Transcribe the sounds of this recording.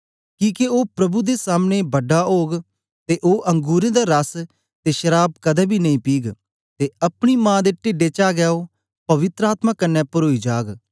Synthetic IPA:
kĩːkeoːpɾəbuːd̪eːsaːmnẽːbəɖaoːɡ | t̪eːʔoːʔəŋɡuːɾẽːd̪aːɾəs | t̪eːʃəɾaːb̚kəd̪ɛːbʱiːnɐĩːpiːɡ | t̪eːəpɽ̃iːmãːd̪eːʈɪɖeːt͡ʃaːɡɛːoː | pɐʋɪt̪ɾəaːt̪mãːkənːɛ̃ːpʊɾoːid͡ʒaːɡ

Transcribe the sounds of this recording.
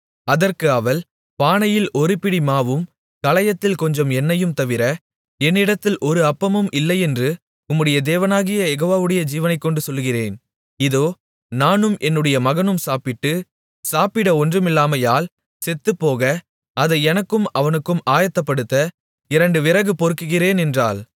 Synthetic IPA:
ɐðɐrkɯɐʋɐl | paːnɐjɪlʔɔɾɯpɪɽimaːʋɯm | kɐlɐjɐt̪ːɪlkɔɲd͡ʒɔmɛnːɐjɯmt̪ɐʋɪɾɐ | ɛnːɪɽɐt̪ːɪlʔɔɾɯɐpːɐmɯmʔɪlːɐɪɛndrɯ | ʊmːɯɽɐjɐd̪eːʋɐnaːɣɪjɐjɛɣoːʋaːʋɯɽɐjɐd͡ʒiːʋɐnɐɪkːɔɳɖɯsɔlːɯɣɪreːn | ɪðoː | naːnɯmʔɛnːɯɽɐjɐmɐɣɐnɯmsaːpɪʈːɯ | saːpɪɽɐɔndrɯmɪlːaːmɐjaːl | sɛt̪ːɯpːoːɣɐ | ɐðɐɪɛnɐkːɯmɐʋɐnɯkːɯmaːjɐt̪ːɐpːɐɽɯt̪ːɐ | ɪɾɐɳɖɯʋɪɾɐɣɯpɔɾɯkːɯɣɪɾeːnɛndra̰ːl

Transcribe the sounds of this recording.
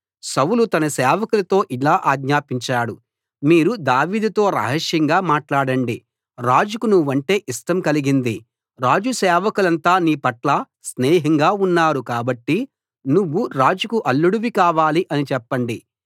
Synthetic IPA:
sɐwulut̪ɐnɐsɛːʋɐkulɐt̪o̞ːʔilaːʔaːɡɲaːpiɲt͡ʃaːɽu | miːɾud̪aːʋiːd̪ut̪o̞ːɾɐ̰ɦɐʂjɐŋɡaːmaːʈlaːɽɐɳɖi | ɾaːd͡ʒukunuʋːɐɳʈe̞ːʔiʂʈɐmkɐliɡind̪i | ɾaːd͡ʒusɛːʋɐkulɐnt̪aːniːpɐʈlaː | snɛːɦɐŋɡaːunːaːɾukaːbɐʈːi | nuʋːuɾaːd͡ʒukuʔɐlːuɽuʋikaːʋaːliʔɐnit͡ʃɛpːɐɳɖi

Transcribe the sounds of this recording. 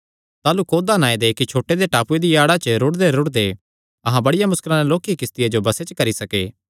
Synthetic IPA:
t̪aːlukoːd̪anaːed̪ekit͡ʃʰoːʈːed̪eʈaːpued̪ijaːɽat͡ʃəɾʊʈd̪eɾʊɽd̪e | ɐɦãbɐɽɪjamʊskɪlãneloːkikɪst̪ɪjad͡ʒobɐset͡ʃəkɐɾisɐkḛː

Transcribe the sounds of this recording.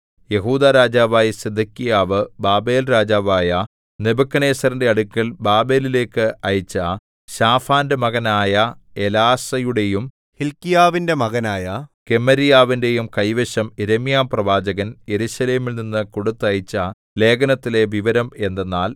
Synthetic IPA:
je̞ɦuːd̪aːɾaːd͡ʑaːʋaːjɐsed̪ʱɐkːijaːʋɨbaːbe̞ːlɾaːd͡ʑaːʋaːjɐ | nebɐkːɐne̞ːsɐrinde̞ɐɽukːɐlbaːbe̞ːlile̞ːkːɨɐjit͡ɕːɐ | ɕaːfaːndemɐɣɐnaːjɐe̞laːsɐjuɽe̞jum | hilkijaːʋinde̞mɐɣɐnaːjɐke̞mːɐɾijaːʋinde̞jumkɐjʋeɕɐmeɾemijaːmprɐʋaːd͡ʑɐɣɐnje̞ɾuɕɐle̞ːmilninːɨkoɽut̪ːɐjit͡ɕːɐ | le̞ːɡɐnɐt̪ːile̞ʋiʋɐɾɐme̞nd̪enːaːl

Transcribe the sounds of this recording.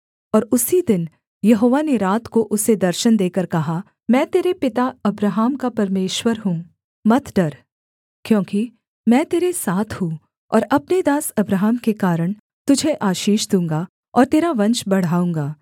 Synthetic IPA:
ɔːɾʊsid̪ɪn | jɐɦoːʋaneɾaːt̪koʔʊsed̪ɐɾʃənd̪eːkəɾkɐɦa | mɛ̃ːt̪eːɾepɪt̪aɐbɾaɦaːmkapɐɾmeːʃwəɾɦũː | mɐt̪ʰɖɐɾ | kjõːki | mɛ̃ːt̪eːɾesaːt̪ʰhũː | ɔ̰ːɾɐpned̪aːsɐbɾaːɦəmkekaːɾəɽ̃ | t̪ʊd͡ʒʱeʔaːʃiːʃd̪ũːŋɡa | ɔːɾt̪eːɾaʋɐ̃ɲt͡ʃbɐɽ̤aːũːŋɡaː

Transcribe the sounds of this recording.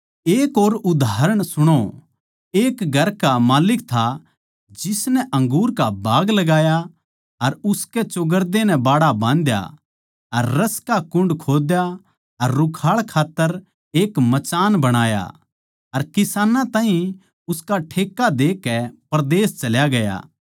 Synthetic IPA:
eːkoːɾʊd̪ʱaːɾəɽ̃sʊɽ̃o | eːkɡʱɐɾkamaːlɪkt̪ʰa | d͡ʒɪsnɛʔɐ̃ŋɡuːɾkabaːɡlɐɡaːja | ɐɾʊskɛt͡ʃoɡəɾd̪enɛ̃baːɽabãːnd̪ja̰ | ɐɾːɐskakʊ̃ɳɖkʰoːd̪ja | ɐɾːʊkʰaːɭkʰaːt̪ːəɾ | eːkmɐt͡ʃaːnbɐɽ̃aːja̰ | ɐɾkɪsaːnãt̪ãːɦĩ | ʊskaʈʰeːkːad̪eːkːɛpɐɾd̪eːst͡ʃɐljaɡɐja̰ː

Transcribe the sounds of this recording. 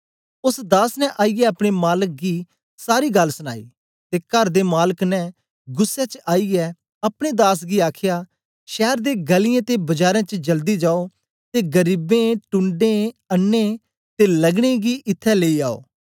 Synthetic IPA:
ʊsd̪aːsnɛ̃ʔaːiɡɛɐpɽ̃emaːlək̚ɡiː | saːɾiːɡɐlsʊña̰ːḭː | t̪eːkɐɾd̪eːmaːləknɛ̃ | ɡʊsːɛt͡ʃaːiɡɛ | ɐpɽ̃ed̪aːs̬ɡiaːkʰjaː | ʃɛːɾd̪eːɡəlɪjãːt̪ebɐd͡ʒaːɾãt͡ʃd͡ʒəld̪id͡ʒaːo | t̪eːɡəɾiːbẽːʈʊ̃ɳɖẽənːẽ | t̪eləɡɽ̃eɡiːʔɪt̪ʰːɛleːiaːo̰ː

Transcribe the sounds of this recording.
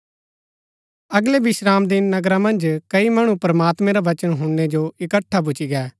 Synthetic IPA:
ɐɡlebɪʃɾaːmd̪ɪnːɐɡɾãmɐ̃nd͡ʒkɐimɐɽ̃ũpɾɐmaːt̪mẽɾaʋɐt͡ʃənɦʊɳːed͡ʒoɪkəʈʰːap̬ʊt͡ʃiɡɛː

